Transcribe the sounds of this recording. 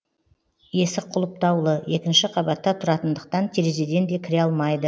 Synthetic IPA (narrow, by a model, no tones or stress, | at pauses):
je̞sɪqʰʊlˠəp̚t̪ɑwlˠəje̞kʲɪnʃɪqʰɑbɑt̪ːɑt̪ʰʊɾɑt̪ənd̪əq̚t̪ɑnt̪ʰeɾezed̪e̞nd̪e̞kʲʰɪɾeɑlˠmɑjd̪ə